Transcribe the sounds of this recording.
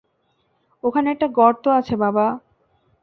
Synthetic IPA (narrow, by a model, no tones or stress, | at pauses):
okʰaneɛk̚ʈaɡɔɾt̪oat͡ɕʰebaba